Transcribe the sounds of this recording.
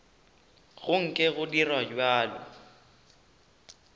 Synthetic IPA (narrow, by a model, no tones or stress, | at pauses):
ɣʊŋ̩kʼɪɣʊdirwad͡ʒwaːlɔ̰